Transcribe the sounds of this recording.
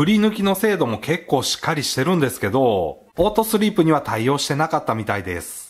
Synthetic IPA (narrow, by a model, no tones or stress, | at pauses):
ɯ̟ɾʲinɯ̟kʲino̞se̞ːd̪o̞mo̞ke̞kːo̞ːɕi̥kːaɾʲiɕi̥t̪e̞ɾɯ̟̃nd̪e̞sɨ̥ke̞d̪o̞ | o̞ːt̪o̞sɨɾʲiːpɯ̟ɲ̟iβ̞at̪aijo̞ːɕi̥t̪e̞nakat̪ːamʲit̪aid̪e̞̰sɨ̥